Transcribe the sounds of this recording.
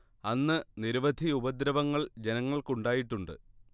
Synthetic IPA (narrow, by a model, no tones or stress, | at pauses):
ɐnːɨniɾuʋɐd̪ʱiubɐd̪ɾɐʋɐŋːɐɭd͡ʑe̞nɐŋːɐɭkuɳɖaːjiʈːuɳɖɨ̰